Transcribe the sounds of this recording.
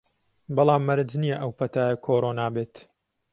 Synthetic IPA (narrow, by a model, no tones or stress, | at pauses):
bɑlˠaːmːɐɾɨd͡ʒnijɐʔɐwpɐt̪ʰaːjɐkʰoːɾoːnaːbeːt̪